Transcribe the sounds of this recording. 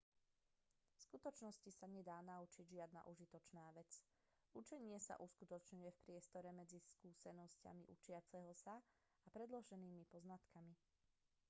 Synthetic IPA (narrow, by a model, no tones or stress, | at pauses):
skut̪ɔt͡ʃnɔscisaɲɛd̪aːnaut͡ʃiɟʒɪad̪na̰ʔuʒit̪ɔt͡ʃnaːʋɛt͡s | ut͡ʃɛɲɪɛsa̰ʔuskut̪ɔt͡ʃɲujɛfpɾɪɛst̪ɔɾɛmɛd͡ziskuːsɛnɔsca̰mḭʔut͡ʃɪat͡sɛɦɔsa | apɾɛd̪lɔʒɛniːmipɔznat̪kami